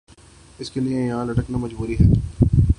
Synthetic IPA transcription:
ɪskeliejɐɦãlɐʈəknamɐd͡ʒbuːɾiɦɛː

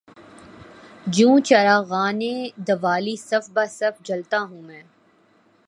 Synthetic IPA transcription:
d͡ʒũːt͡ʃɐɾaːɣaːnẽd̪ɐʋaːlisɐfbaːsɐfd͡ʒɐlt̪aɦũːmɛ̃ː

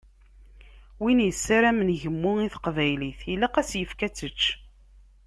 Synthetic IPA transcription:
winjəsːaɾæmənʝəmːʊiθəqvæjliθilːæqæsjəfkæt͡sːət͡ʃː

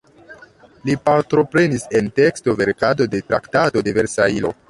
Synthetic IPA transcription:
lipaɾtɾo̞pɾe̞nise̞nte̞ksto̞ve̞ɾkado̞de̞tɾa̰ktado̞deve̞ɾsailo̞̰

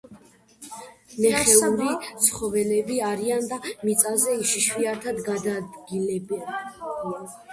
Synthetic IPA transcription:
nɛχɛuɾit̪sʰχɔvɛlɛbiaɾiand̪amit̪sʼazɛiʃiʃwiat̪ʰad̪ɡad̪ad̪ɡilɛbian

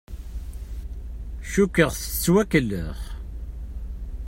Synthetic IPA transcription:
ʃukːəʁθət͡sːwækːəlːə̰χ

